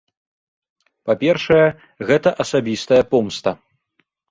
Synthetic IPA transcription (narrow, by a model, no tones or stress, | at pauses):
papʲɛrʂɐjɛ | ɣɛt̪ɐʔɐsabʲist̪ɐjɐpɔmst̪ɐ